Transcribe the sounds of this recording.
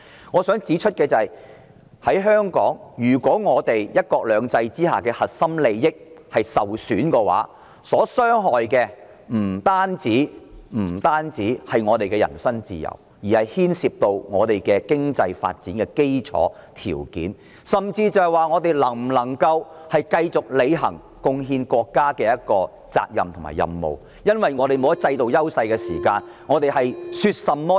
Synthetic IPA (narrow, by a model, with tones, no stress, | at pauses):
ŋɔː˨˧sœː˨˥ŋt͡siː˨˥t͡ʃʰɵ˥t̚kɛː˧t͡sɐ˨ɐ˨˩j | hɐ˨˥jɦœː˥ŋkɔː˨˥ŋjyː˨˩kʷɔː˨˥ŋɔː˨˧t̪e˨jjɐ˥t̚kɔː˧k̚lœː˨˧ŋt͡sɐ˧jt͡siː˥ɦaː˨kɛː˧hɐ˨t̚sɐ˥mle˨˧jːɪ˥k̚hɐ˨jsɐ˨wsyː˨˥nkɛ˧wa̰ː˨˥ | sɔː˨˥sœː˥ŋɦɔː˨jkɛː˧ | m̩˨˩t̪aː˥nt͡siː˨˥m̩˨˩t̪aː˥nt͡siː˨˥hɐ˨jŋɔː˨˧t̪e˨jkɛ˧jɐ̰˨˩nsɐ˥ŋt͡sḭː˨jɐ̰˨˩w | jiː˨˩hɐ˨jhiː˥nsiː˧p̚t̪o˧wŋɔː˨˧t̪e˨jkɛː˧kɪ˥ŋt͡sɐ˧jfa̰ː˧t̚t͡siː˨˥nkɛ˧ke˥jt͡ʃʰɔ̰ː˨˧˥t̪ʰḭː˨˩wkḭː˨˥n | sɐ˨˩mt͡siː˧t͡sɐ˨˧whjwaː˨˧ŋɔː˨˧t̪e˨jlɐ˨˩ŋm̩˨˩lɐ˨˩ŋkɐ˧whɐ˨jkɐ˧jt͡sʊ˨k̚le˨˧jɦɐ̰˨˩ŋ | kʊ˧ŋɦiː˧nkɔː˧kːaː˥kɛː˧jɐ˥t̚kɔː˧ | t͡sa̰ː˧k̚jɐ̰˨mt̪ʰʊ˨˩ŋma̰ː˨˩jɐ̰˨mːo̰˨w | jɐ˥nwɐ˨jŋɔː˨˧t̪e˨jmo˨˧wjɐ˥t̚t͡sɐ˧jt̪o˨wjɐ˥wsɐ˧jkɛ˧siː˨˩kaː˧nŋɔː˨˧t̪e˨jɦɐ˨jsy˧t̚sɐ˨mːɔː˥